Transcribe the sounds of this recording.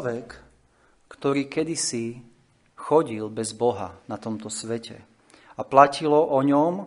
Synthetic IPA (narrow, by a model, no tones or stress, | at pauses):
ʋɛkː | t̪ɔɾiːkɛd̪isi | xɔɟilbɛzbɔɦa̰nat̪ɔmt̪ɔsʋɛcʰɛ̰ | aplacilɔʔɔɲɔm